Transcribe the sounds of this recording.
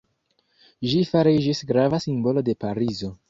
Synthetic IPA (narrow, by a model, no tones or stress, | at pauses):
ʒifaɾid͡ʒisɡɾavasimbo̞lo̞de̞paɾizo̞